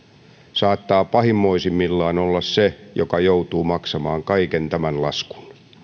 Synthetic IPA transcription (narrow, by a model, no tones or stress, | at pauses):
sɑːt̪ːɑːpɑhimːoisimːilːɑːnolːɑssejo̰kɑjout̪uːmɑksɑmɑːŋkɑikent̪æmænlɑsku̥n